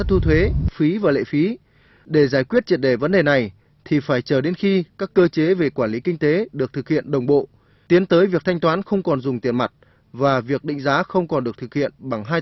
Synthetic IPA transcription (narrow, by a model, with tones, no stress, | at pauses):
t̪ʰu˧t̪ʰwe˨˦fi˨˦vaː˨˩lḛ˧˨fi˨˦ | ɗe˧˩zaː˧˩jkwi˦˥ət̚t͡ɕi˨˩ət̚ɗe˧˩və˨˦nɗe˨˩na˨˩j | t̪ʰi˨˩faː˧˩jt͡ɕəː˧˩ɗe˨˦nxi˧kaː˦˥kːəː˧t͡ɕe˨˦ve˨˩kwaː˧˩nli˨˦kï˧ŋ̟t̪e˨˦ɗɨ˨˩ək̚t̪ʰɨ˨˩k̚hḭ˧˨ənɗə˨˩wŋ͡mɓo̰˧˨ | t̪i˨˦ənt̪əː˨˦jvi˨˩ək̚t̪ʰa˧jŋ̟t̪waː˨˦nxə˧wŋ͡mkɔ˨˩nzʊ˨˩ŋ͡mt̪i˨˩ənma˨˩t̚ | vaː˨˩vi˨˩ək̚ɗḭ̈˧˨ŋ̟zaː˨˦xə˧wŋ͡mkɔ˨˩nɗɨ˨˩ək̚t̪ʰɨ˨˩k̚hḭ˧˨ənɓa˧˩ŋɦaː˧j